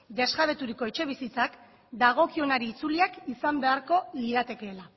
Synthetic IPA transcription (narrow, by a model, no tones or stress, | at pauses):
d̪e̞zɣaβe̞t̪uɾiko̞e̞t͡ʃe̞β̞isit͡sak | d̪aɣ̞o̞kio̞naɾiːt͡suliakisambe̞aɾko̞liðat̪e̞ke̞ːla